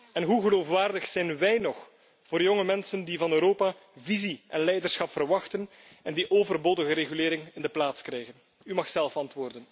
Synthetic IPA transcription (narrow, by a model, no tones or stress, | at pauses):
ɛnɦuɣəloːfʋaːrdəxsɛjnʋɛjnɔx | v̥oːɾjoŋəmɛnsəndivɑnøːɾoːpa | viziʔɛnlɛjdərsxɑpfərʋɑxtən | ɛndiʔoːvərboːdəɣəɾeɣylɪːɾɪŋɪndəplaːtskrɛjɣən | ymɑxsɛlˠfɑntʋoːrdən